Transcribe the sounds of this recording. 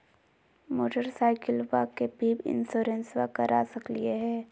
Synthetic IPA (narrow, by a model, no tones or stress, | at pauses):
moːʈəɾsaːɪkəlʋakepiːbɪ̰nsoːɾẽnsʋakɐɾʔasɐklieɦɛ̃ː